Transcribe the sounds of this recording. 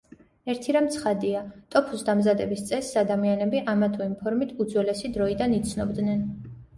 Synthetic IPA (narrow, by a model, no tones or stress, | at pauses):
ɛɾt̪ʰiɾamt̪sʰχad̪iat̪ʼɔpʰusd̪amzad̪ɛbist̪sʼɛsad̪amianɛbiʔamat̪ʰuimpʰɔɾmit̪ʰud̪zwɛlɛsid̪ɾɔid̪anit̪sʰnɔbd̪nɛn